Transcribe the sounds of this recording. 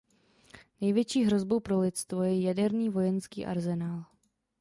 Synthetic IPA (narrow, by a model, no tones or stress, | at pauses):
nɛjvjɛt͡ʃiːɦɾo̞zbo̞wpɾo̞lɪt̪t͡st̪vojɛjadɛɾniːvo̞jɛnskḭːʔa̰ɾzɛnaːl